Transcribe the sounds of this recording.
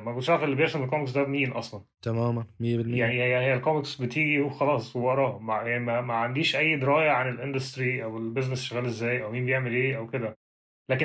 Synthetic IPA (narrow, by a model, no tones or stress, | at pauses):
mæɡolʃæfʔelːibejeʕʃenelkomeks̬d̪æbmiːnʔɑ̰sˤlɑnt̪æmæːmænmejːbelejaʕnijjahejːælkomeksbet̪iːɡihoxɑlɑːsˤwewɑɾˤɑmajaʕnimæmæʕand̪iːʃʔæjːd̪eɾɑːjæʕanelʔend̪ɑst̪ɾiʔæwelbeznesʃæɣæːlʔezːæːjʔæwmiːnbejeʕmelʔeːʔæwked̪æ | læːke